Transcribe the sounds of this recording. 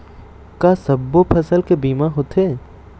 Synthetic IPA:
kaːsɐbːopʰɐsəlkebiːmaɦoːt̪ʰeː

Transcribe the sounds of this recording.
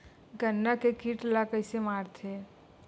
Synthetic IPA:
ɡənːakekiʈlakəɪsemaːɾt̪ʰe

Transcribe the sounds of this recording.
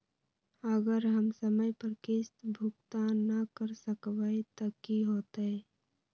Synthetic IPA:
əɡəɾɦəmsəməjpəɾkest̪bʱʊkt̪anəkəɾsəkʋaet̪ɐkiɦoːt̪ɛː

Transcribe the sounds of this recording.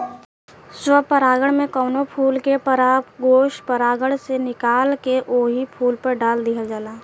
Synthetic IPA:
swəpəɾaːɡəɽ̃mẽkɔːnopʰuːlkepəɾaːpɡoːʃʈpəɾaːɡəɽ̃senɪkaːlkeʔoːɦipʰuːlpəɾɖaːld̪iɦəd͡ʒaːlaː

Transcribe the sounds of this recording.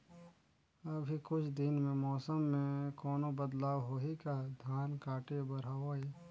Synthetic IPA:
ɐbʱikʊt͡ʃʰd̪ɪnmẽmɔːsəmːẽkɔːnobəd̪laːwɦoːɦikad̪ʱjaːnkaːʈebɐɾaːwai

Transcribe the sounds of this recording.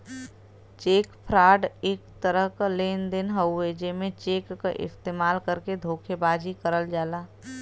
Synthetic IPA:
t͡ʃeːkpʰɾaːɖeːkt̪əɾəɦkaleːnd̪ɪnɦəwed͡ʒemẽt͡ʃeːkːaʔɪ̰st̪eːmaːlkəɾked̪ʱoːkʰebaːd͡ʒikəɾəld͡ʒaːlaː

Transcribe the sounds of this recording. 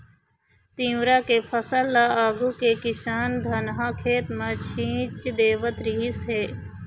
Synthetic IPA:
t̪ĩːwɾaːkepʰəsəlːaaːɡukekɪʃaːnd̪ʱɐnɦãkʰeːt̪mãt͡ʃʰĩːt͡ʃd̪eːʋət̪ɾiɦisɦeː

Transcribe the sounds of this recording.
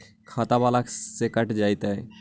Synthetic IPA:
kʰaːt̪abaːlaksekəʈd͡ʒaːɪt̪ɦɛ

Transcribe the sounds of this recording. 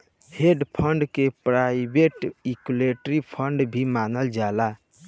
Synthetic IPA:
heɖpʰəɳɖkepɾaibeʈikuleʈɾipʰəɳɖbʱimanəld͡ʒala

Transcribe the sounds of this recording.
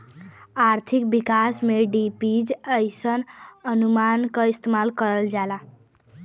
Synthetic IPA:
aɾt̪ʰik̚bikasmeɖipid͡ʒəjsənənumankʌist̪emalkʌɾəld͡ʒala

